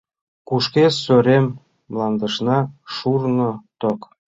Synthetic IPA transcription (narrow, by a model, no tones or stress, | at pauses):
kuʃkesøɾemː | lɑnd̪əʃnɑʃurnot̪ok